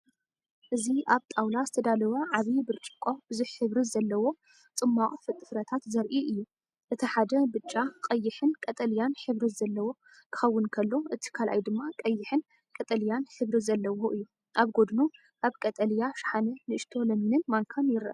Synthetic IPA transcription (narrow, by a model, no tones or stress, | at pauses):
ʔɨziʔaβt̪ʼawlazɨt̪ʰɐd̪alɐwaʕaβibɨɾt͡ʃʼɨkʼːob̥ɨzuħħɨβɾizɐlːɐwo̞ | t͡sʼɨmːakʼfɨt̪ʼːɨfɾɐt̪ʰat̪zɐɾʔiʔɨjːu | ʔɨt̪ʰiħad̪ɐbɨt͡ʃʼːaqʼɐjːɪħɨnkʼɐt̪ʼɐljanħɨβɾizɐlːɐwo̞ | kʰɨ̥xɐwːɨnkʰɐlːo̞ʔɨt̪ʰi̥kʰalʔa̰jd̪ɨmːakʼɐjːɪħɨn | kʼɐt̪ʼɐljanħɨβɾizɐlːɐwoʔɨjːu | ʔaβɡo̞d̪nu | ʔaβkʼɐt̪ʼɐljaʃħanɐnɨʔɨʃt̪ʰo̞lɐminɨnmaŋkʰanjɪɾʔa̰